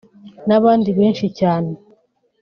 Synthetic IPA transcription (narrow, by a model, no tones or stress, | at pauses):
naβaːndiβe̞ːnʃicaːne